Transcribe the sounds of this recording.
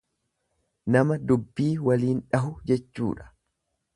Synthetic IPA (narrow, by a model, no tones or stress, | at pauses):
nɐmɐd̪ʊbːiːwɐliːnᶑɐɦʊd͡ʒɛt͡ʃːṵːᶑɐ̥